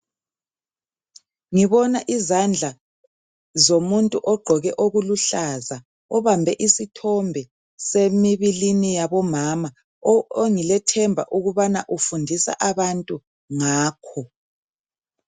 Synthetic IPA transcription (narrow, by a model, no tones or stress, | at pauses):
ŋiβɔnaʔizand͡ɮʱa | zomuntʼuʔɔɡ͡ǃʱɔɣɛʔoɣuluɬaza | ɔβambʱɛʔisitʰɔmbʱɛ | semiβilinijaβɔmaːma | oŋilɛtʰɛmbʱa̰ʔuɣuβanaʔufundʱisa̰ʔaβantʼu | ŋaːkʰɔ